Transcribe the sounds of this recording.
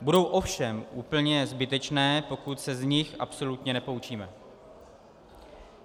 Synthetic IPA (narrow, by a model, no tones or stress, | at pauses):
budo̞wʔo̞fʃɛmʔuːpl̩ɲɛzbɪt̪ɛt͡ʃnɛːpo̞kut̪sɛzɲɪxʔa̰pso̞lut̪ɲɛnɛpo̞ut͡ʃiːmɛ